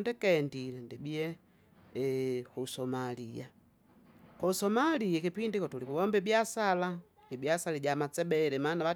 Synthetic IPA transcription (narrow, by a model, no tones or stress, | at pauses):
ndɛkɛndilɛndɛbiɛ | huusɔmalḭja̰ | kɔusɔmalijakipindikɔtulikuβɔmbɛbjasala | ɛbjasalɛɟamat͡sɛbɛɾɛmanaβa